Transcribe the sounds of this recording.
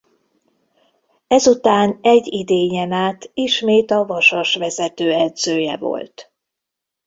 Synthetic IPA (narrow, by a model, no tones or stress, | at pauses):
ɛzut̪aːnɛɟːid̪eːɲɛnaːt̪iʃmeːt̪ɒvɒʃoʃʋɛzɛt̪øːɛd̪z̥øːjɛ̰vo̞̰lt̪